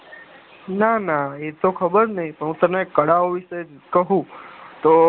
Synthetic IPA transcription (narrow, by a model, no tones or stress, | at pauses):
nanaet̪okʰəbəɾnəĩpəɳɦũt̪ənekəɽaoʋiʃed͡ʒkəɦũt̪o